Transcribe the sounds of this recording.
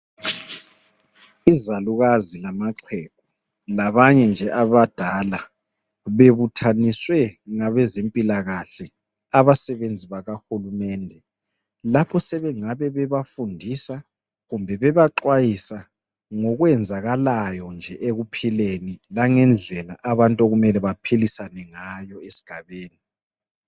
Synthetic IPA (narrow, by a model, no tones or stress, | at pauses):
izaluɣazilamaǀʰɛk̚ɔ | laβaɲɛnd͡ʒʱɛʔaβad̥ʱala | βeβutʰaniswɛŋaβɛzempʼilaɣaɬɛ | aβasɛβend͡zʱiβaɣaxulumɛndʱɛ | lapʰɔsɛβɛŋaβɛβɛβafundʱisa | ɣumbʱɛβɛβaǃwajisa | ŋɔɣwɛnd͡zʱaɣalajɔnd͡ʒʱɛʔeɣupʰilenilaŋɛnd͡ɮʱɛlaʔaβantʼoɣumɛlɛβapʰilisanɛŋajɔesi̥ɡ̥ʱaβeːni